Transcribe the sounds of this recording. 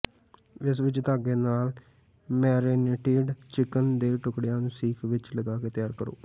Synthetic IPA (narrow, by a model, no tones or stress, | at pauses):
ɪs̬ʋɪt͡ʃt̪aːɡeːnaːl | mɛːɾeːneʈeːɖt͡ʃɪkənd̪eːʈʊkɽɪjãːnũːsiːkʰʋɪt͡ʃləɡaːkeːt̪ɪjaːɾkəɾo̰ː